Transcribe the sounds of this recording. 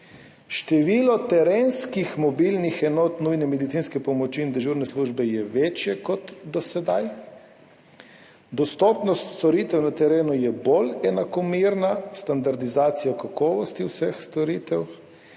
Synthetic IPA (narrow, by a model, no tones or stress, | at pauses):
ʃt̪ɛʋiːlɔt̪ɛɾenskixmɔbiːlnixɛnoːt̪nujnɛmɛd̪it̪siːnskɛpɔmɔt͡ʃiːnd̪ɛʒuɾnɛsluːʒbɛjɛʋet͡ʃjɛkɔt̪d̪ɔsɛd̪aj | d̪ɔst̪ɔːpnɔst̪st̪ɔɾit̪ɛwnat̪ɛɾeːnujɛbolɛnakɔmiɾnast̪and̪aɾd̪izaːt̪sijakakɔːʋɔst̪iwsɛxst̪ɔɾit̪ɛw